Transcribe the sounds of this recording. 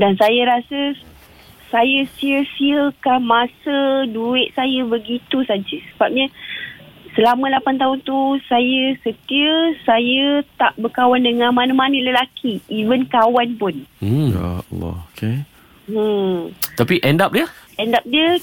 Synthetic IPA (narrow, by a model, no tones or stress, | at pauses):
dansajəɾasə | sajəsiəsiəkamasəduɪʔ̚sajəbəɡit̪usad͡ʒəsəbap̚ɲə | səlamə̃lapant̪aɦʊnt̪usajəsət̪iəsajət̪aʔbəkawandəŋãmãnəmanələlakʰiːvənkawanpʊn̩ja̰lɔ̰okʰe | t̪apiʔɛndap̚diəʔɛndap̚diə